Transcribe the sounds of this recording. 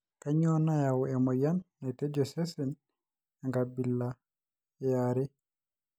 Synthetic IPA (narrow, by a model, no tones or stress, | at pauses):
kaɲɔnajawɛmɔjanːatɛd͡ʒɔsɛsɛn | ɛŋɡabilːa | jaːɾɛ